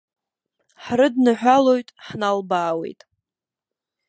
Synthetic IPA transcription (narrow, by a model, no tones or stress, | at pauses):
ħrɨdnɨħʷᶣalo̞jtʼħnalbaːwe̞̰jtʼ